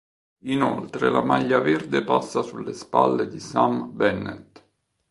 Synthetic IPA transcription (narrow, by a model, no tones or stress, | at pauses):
inolt̪ɾelamaʎːaverd̪epasːasulːespa̰lːed̪isambɛnːḛt̪